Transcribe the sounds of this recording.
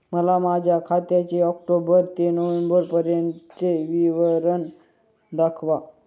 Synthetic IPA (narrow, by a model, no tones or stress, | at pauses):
məlamad͡ʑʱjakʰat̪jat͡ɕeɔk̚ʈobəɾt̪enoʋembəɾpəɾjənt̪t͡seʋiʋəɾən | d̪akʰʋa